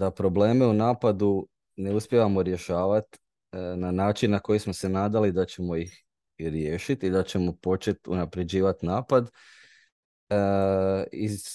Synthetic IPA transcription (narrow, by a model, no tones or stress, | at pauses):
d̪apɾo̞ble̞ːme̞unaːpad̪u | ne̞uspʲjeʋamo̞ɾje̞ʃaːʋat̪ | nanaːt͡ʃinːako̞jismo̞se̞naːd̪alid̪at͡ɕe̞mo̞ix | ɾjeːʃit̪id̪at͡ɕe̞mo̞po̞t͡ʃe̞t̪ṵnapɾe̞d͡ʑiːʋat̪naːpad̪ | i